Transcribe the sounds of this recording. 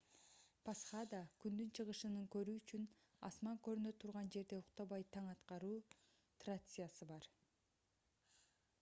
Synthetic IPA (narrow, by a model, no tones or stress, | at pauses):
pʰasχad̪ɑkynd̪ynt͡ʃʰɯʁɯʃɯnɯŋkø̞ɾyːyt͡ʃyn | ɑ̰smɑŋkø̞ɾynø̞t̪ʰːuɾʁɑnd͡ʒe̞ɾd̪e̞uqt̪ɑβɑjt̪ʰɑɴɑt̪qɑɾuː | t̪rasɨjasɯbɑɾ